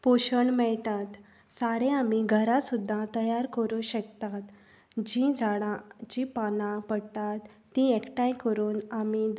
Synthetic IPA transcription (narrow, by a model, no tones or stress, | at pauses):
poɕəɳmɛɭt̪at̪ | saɾẽamiɡʱəɾasud̪ʱːat̪əjaɾkəɾuɕəkt̪at̪ | d͡ʑĩd͡zʱaɽãd͡ʑĩpanãpəɽt̪at̪ːĩɛkʈãjkəɾuːnami